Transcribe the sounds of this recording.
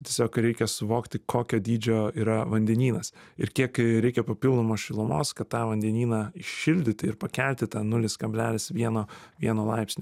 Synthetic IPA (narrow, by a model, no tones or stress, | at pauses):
t̪ʲiɛsʲoːkɾʲɛɪkʲɛsʊʋoːkt̪ʲɪkʰoːkʲoːd̪ʲiːd͡ʒʲoːiːɾɐʋɐnʲd̪ʲɛnʲiːnɐsɪɾkʲiɛkɾʲɛɪkʲɛpɐpʲɪlˠd̪oːmoːsʃʲɪlˠʊmo̰ːskɐt̪t̪ɑːʋɐnʲd̪ʲɛnʲiːnɑːɪʃʃʲɪlʲd̪ʲɪt̪ʲɪɪɾpɐkʲælʲt̪ʲɪt̪ɑːnʊlʲɪskɐbʲlʲæːlʲɪsʋʲiɛnoːʋʲiɛnoːlˠɐɪpsʲnʲ